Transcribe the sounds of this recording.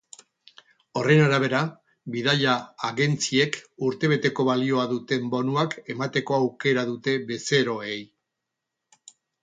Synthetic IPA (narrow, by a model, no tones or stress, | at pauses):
o̞re̞naɾaβe̞ɾa | biðaʎaːɣe̞nt͡sie̞kuɾt̪e̞β̞e̞t̪e̞ko̞βalio̞aðut̪e̞mbo̞nuake̞mat̪e̞ko̞awke̞ɾaðut̪e̞βe̞se̞ɾo̞e̞j